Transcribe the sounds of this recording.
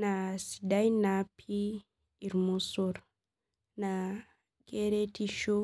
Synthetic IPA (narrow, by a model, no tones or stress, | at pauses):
nasi̥dajnapʰiː | ɾmɔsɔɾ | na | keɾetiʃo